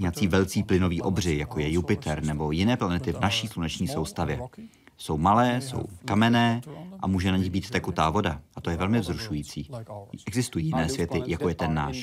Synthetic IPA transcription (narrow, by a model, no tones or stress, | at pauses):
ɲɛat͡siːvɛlt͡siːplɪno̞viːʔo̞br̝ɪjakojɛjupɪt̪ʰɛɾnɛbo̞jɪnɛːplanɛt̪ɪvnaʃiːslunɛt͡ʃɲiːsowst̪avjɛ | so̞wmalɛːso̰wkamɛnɛːʔa̰muːʒɛnaɲɪɣbiːt̪t̪ɛkut̪aːvo̞daʔat̪o̞jɛvɛlmɪvzɾuʃujiːt͡siːʔɛɡzɪst̪ujiːjɪnɛːsvjɛt̪ɪjako̞jɛt̪ɛnːa̰ːʃ